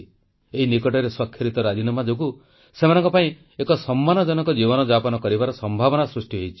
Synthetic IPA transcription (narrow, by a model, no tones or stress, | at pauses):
eɦinikɔʈɔɾeswakʰːjɔɾit̪ɔɾad͡ʒinɔmad͡ʒok̬u | semanɔŋkɔpaĩ | ekɔsɔmːanɔd͡ʒɔnɔkɔd͡ʒibɔnɔd͡ʒapɔnɔkɔɾibaɾɔsɔmbʱabɔnasɾusʈiɦejt͡ʃʰi̥